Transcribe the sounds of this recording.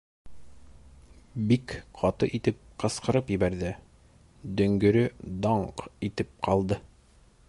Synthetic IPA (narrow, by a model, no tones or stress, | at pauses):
bikqʰɑt̪ɤ̰ʔit̪ɘp̚qɤ̆sqɤ̆ɾɤpjɘ̆βæɾðɘ | d̪ɵ̆ŋɡɵ̆ɾɵd̪ɑɴqit̪ɘp̚qɑlˠd̪ɤ